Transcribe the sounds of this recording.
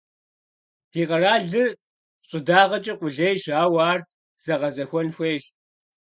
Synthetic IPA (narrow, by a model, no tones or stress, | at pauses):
tʰiːqɐraːɮɨ | ɕʼɨdaːʁɐt͡ʃʼɐqʷʼʊɮejʃaːwaːr | z̥ɐʁɐzɐxʷɔnxʷeːjʃ